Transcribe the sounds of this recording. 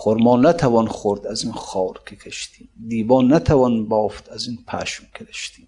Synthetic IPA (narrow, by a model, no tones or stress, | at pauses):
χoɾmɒːnæt̪ʰævɒːnχoɾd̪æzinχɒːɾkʰekʰeʃt̪iːmd̪iːbɒːnːæt̪ʰævɒnbɒːft̪æzinpʰæʃmkʰeɾeʃt̪iːm